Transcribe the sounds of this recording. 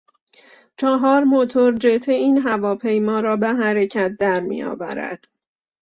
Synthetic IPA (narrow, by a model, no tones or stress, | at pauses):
t͡ʃʰɒɦɒːɾmot̪ʰoɾd͡ʒet̪ʰeiːnɦævɒːpʰe̞jmɒːɾɒːbeɦæɾecʰæt̪̚d̪æɾmḭjɒ̰ːvæ̰ɾæ̰d̪̥